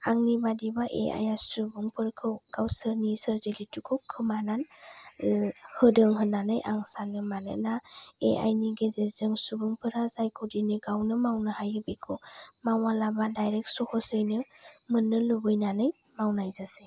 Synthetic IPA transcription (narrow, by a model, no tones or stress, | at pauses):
aŋnibadibaʔḛa̰jasubuŋpʰɯɾkʰɯwɡ̥awsɯɾnisɯɾzelitʰukʰɯwkʰɯmanan | hɯdɯŋɦɯnanɯjʔaŋsanɯmanɯ̰naḛʔa̰jniɡezezɯŋsubuŋpʰɯɾazajkʰɔdinɯɡawnɯmawnɯhajɯbikʰɯmawalabadajɾɛk̚sɔhʰɔsɯjnɯmɯnːɯlubɯjnanɯj | mawnajzase